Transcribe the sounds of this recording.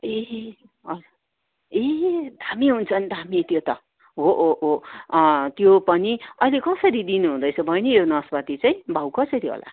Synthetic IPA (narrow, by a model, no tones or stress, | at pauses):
e | ʌ | ed̪ʱamiɦunt͡sʰʌnd̪ʱamit̪jot̪ʌ | ɦoʔoʔo | t̪jopʌniʌjlekʌsʌɾid̪inuɦũd̪ʌjt͡sʰʌbʱʌjnijonʌsbat̪it͡saĩbʱawkʌsʌɾiɦo̰la̰